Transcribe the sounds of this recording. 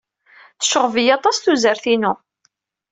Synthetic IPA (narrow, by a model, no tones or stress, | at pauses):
θə̥ʃəʁəvijɑt̪ˤɑsθuzəɾθinu